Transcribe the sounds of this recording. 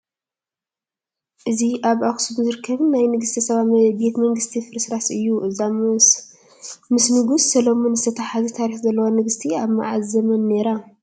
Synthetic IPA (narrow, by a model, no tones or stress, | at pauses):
ʔɨziʔaβʔaksubzɨɾkʰːɐβnajnɨɡɨst̪ʰɐsɐβambe̞t̪mɐŋɡɨst̪ʰifɨɾɨsɾasɨjːuʔɨzamɨs | mɨsnɨɡusːɐlo̞mɨnːɨst̪ʰɐt̪ʰɐħazit̪ʰaɾixzɐlːɐwonɨɡɨst̪ʰiaβma̰ʕazɐmɨnːe̞ɾa